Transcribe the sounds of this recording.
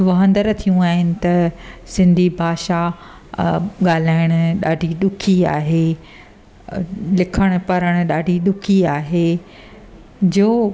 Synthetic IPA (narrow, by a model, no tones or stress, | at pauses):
ʋɐɦə̃nd̪əɾt̪ʰijũaːɦɪnɪ̆t̪ɐsɪ̃nd̪ʱibʱaːʃa | ɠaːl̤aːɪɽ̃ʊɗa̰ːɖʱiɗ̪ʊkʰiaːɦe | lɪkʰəɽ̃ʊ̆pɐɾəɽ̃ʊ̆ɗaːɖʱiɗʊkʰiaːɦeː | d͡ʑoː